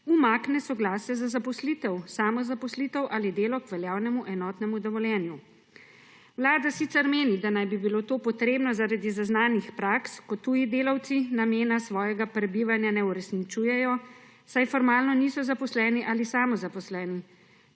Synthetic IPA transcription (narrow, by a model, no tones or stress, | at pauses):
umaːknɛsɔɡlaːsjɛzazapɔslit̪ɛwsaːmɔzapɔslit̪ɛwʔalid̪eːlɔkʋɛljaːwnɛmuʔɛnɔːt̪nɛmud̪ɔʋɔljɛːnju | wlaːd̪asit̪sɛɾmeːnid̪anajbibilot̪oːpɔt̪ɾeːbnɔzaɾad̪izaznaːnixpɾaːkskɔt̪ːujid̪eːlawt̪sinameːnasʋɔːjɛɡapɾɛbiʋanjanɛuɾɛsnit͡ʃuːjɛjɔ | sajfɔɾmaːlnɔnisɔzapɔslɛːniʔalisaːmɔzapɔslɛːni